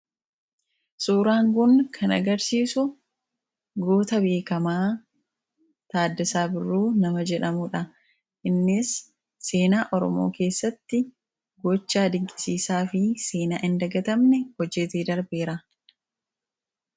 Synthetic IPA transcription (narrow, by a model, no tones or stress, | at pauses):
suːɾaːŋɡʊnkʰɐnɐ̰ɡɐɾsiːsʊ | ɡoːt̪ɐbe̞ːkɐmaː | t̪aːd̪ːɪsaːbɪrːuːnɐmɐd͡ʒɛᶑɐmuᶑɐ | ʔɪnːɪsː | e̞ːnaːʔɔɾɔ̰mo̞̰ːke̞ːsːɐt̪ːɪ | ɡɔt͡ʃːaːd̪ɪŋkʼɪ̥siːsaːfɪseːna̰ːʔɪnd̪ɐɡɐt̪ɐmnɛhɔd͡ʒːɛt̪eːd̪ɐɾbeːɾa